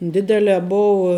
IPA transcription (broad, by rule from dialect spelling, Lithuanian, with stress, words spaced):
ˈdʲɪdʲɛlʲɛː ˈboːʊɐ